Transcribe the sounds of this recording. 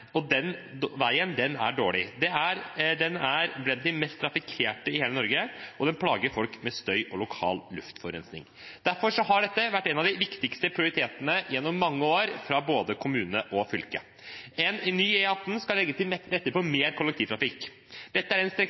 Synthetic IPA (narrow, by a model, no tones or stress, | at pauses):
ɔd̪ɛnʋæɪənd̪ɛnæ̰ɖoːɭɪd̪ɛæɾd̪ɛnæɾblɛnd̪ɪmɛst̪ʰɾɑfɪkʰeːʈəɪheːlənɔɾɡəʔɔd̪ɛnpʰlɑːɡəɾfɔlkmɛst̪œʏʔɔlʊkʰɑ̰ːllʉ̰ft̪fɔɾɛ̰nsnɪ̰ŋ | d̪̥æɾfɔɾʂɔɦɑɖɛt̪ːəʋæʈːɛnɑʋd̪ɪʋɪkt̪ɪkst̪əpʰɾɪʊɾɪt̪ʰeːt̪ənəjɛnːɔmːɑŋːəoːɾfɾɑboːd̪əkʰʊmʉːnəʔɔfʏlkə̰ | ɛnnːyːɛɑt̪n̩skɑllːɛɡːət̪ʰɪlɛɾɛt̪ːəɾpɔmeːɾkʰʊlɛk̚t̪iːʋt̪ɾɑfɪk | d̪̥ɛt̪ːəæɾɛnst̪ɾɛ